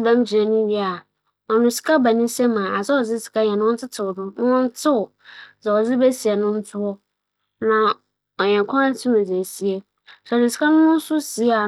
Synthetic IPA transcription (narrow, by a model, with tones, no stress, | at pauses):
bã˦m˦d͡ʑɪ˨ɾɛ˨nʊ̃˦ɥi˦a˨ | ɔ˨nʊ̃˨si̥˨kʰa˦ba˨nĩ˦sɛ˦mã˨a˨zɛ˦ɔ˨d͡zɪ˦si̥˨kʰa˦ɲɛ̃˨nʊ̃˦wɔ̃˦n˦tʰɪ˦tʰɪ˨ʊ˨nʊ̃˦nʊ̃˦wɔ̃˦n˦tʰɪ˦ʊ˨ | d͡zɛ˨ɔ˨d͡zɪ˦bɛ˦si˨ɛ˨nʊ̃˦n̩˦tʰʊ˦ɔ˦ | nã˨ | ɔ˨ɲɛ̃˨ŋkʷʰɔ̃˦ɾã˦n˦tʰĩ˦mɛ̃˨d͡ze˨si˨e˦ | snɪ̃˨si̥˨kʰa˦nʊ̃˦nʊ̃˦sʊ˦si˨˦a˨